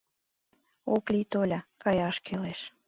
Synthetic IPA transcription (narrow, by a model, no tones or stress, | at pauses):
oklit̪olʲɑkɑjɑʃkʰeleʃ